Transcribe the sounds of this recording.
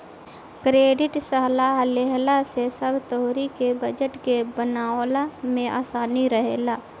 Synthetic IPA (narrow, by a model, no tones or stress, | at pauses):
kɾeːɖɪʈsəɦlaɦleɦlasesəbʱt̪əɦoɾikebəd͡ʒəʈkebənaːlamẽʔa̰ːsaːniɾəɦeːlaː